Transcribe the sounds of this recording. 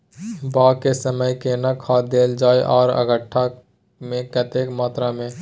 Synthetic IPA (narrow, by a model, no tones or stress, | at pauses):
baːkesəməjkenakʰaːd̪eːld͡ʒaːeʔɔːɾə̰ɡəʈʰːa | mẽkət̪eːkmaːt̪ɾamẽ